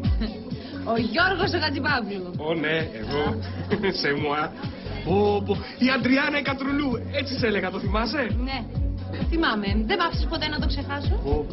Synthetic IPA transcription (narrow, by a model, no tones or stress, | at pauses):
oʝoɾɣosoɣɐt͡sipɐvluone̞ːɣo̞semuɐbobo | iɐnd̪ɾiɐnɐikɐt̪ɾuluet͡siseleɣɐt̪oθimɐse̞neθimɐmeðemɐfst̪espot̪enɐt̪okse̞xɐsoo